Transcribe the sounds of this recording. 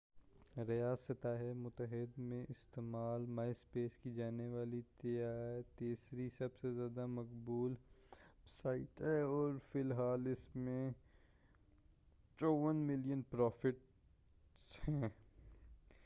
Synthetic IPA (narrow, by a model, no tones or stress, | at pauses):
ɾijaːsɪt̪aːɦɛmʊt̪əɦɪd̪mẽʔɪst̪eːmaːlmaːɪspeːskid͡ʒaːneʋaːlit̪ejaːt̪eːsɾisɐbsezjaːd̪amɐkbuːl | saːɪʈɦɛːɔːɾfɪlɦaːlɪsmẽ | t͡ʃɔːʋənmɪlijənpɾɔːfɪʈ | shɛ̃ː